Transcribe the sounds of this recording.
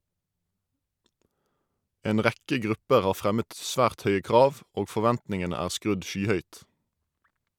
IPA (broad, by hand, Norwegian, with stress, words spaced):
ˈeːn ˈʁækə ˈɡʁʉpəʁ ˈɑː ˈfʁɛmət ˈsʋæːʁt ˈœʏə ˈkʁɑːʋ ˈoːɡ fɔˈʋɛntnɪŋənə ˈæːʁ ˈskʁʉd ˈʃyːˌhœʏt